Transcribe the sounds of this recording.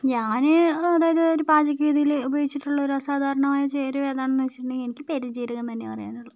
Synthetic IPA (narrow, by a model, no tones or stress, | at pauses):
ɲaːneɐðaːjɐðɨoɾupaːd͡ʑɐk̬ʲːɐʋid̪ʱijilubɐjoɡit͡ɕːiʈːuɭːɐo̞ɾuɐsaːd̪ʱaːɾɐɳɐmaːjɐt͡ɕeːɾɐʋeːd̪aːɳenːuʋɐt͡ɕːiʈːuɳɖɨenikʲːɨ̥peɾid͡ʑiːɾɐɣent̪ɐnːepɐrɐja̰ːnuɭːɐ